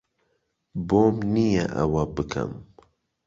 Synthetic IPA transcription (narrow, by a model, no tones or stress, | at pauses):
boːmnijɛʔɐ̰wabɨkʰɐ̰m